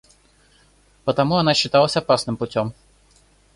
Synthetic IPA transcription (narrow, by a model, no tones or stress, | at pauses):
pət̪ɐmuɐnaɕːɪt̪alˠəsʲɐpasnɨmpʊtʲom